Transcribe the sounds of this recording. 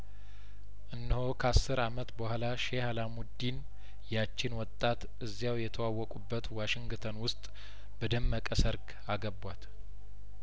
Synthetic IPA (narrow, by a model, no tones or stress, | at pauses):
ʔɨnːɨhokʰəasːɨɾamət̪bəhʷalaʃehalamud̪in | jat͡ʃːɪnwɔt̪ʼːat̪ | ɨzːjawjɛt̪ʰəwawːɔkʼubːət̪waʃɪŋɡt̪ʰənwʊst̪ʼ | bəd̪əmːəkʼəsəɾɡ | aɡəbwat̪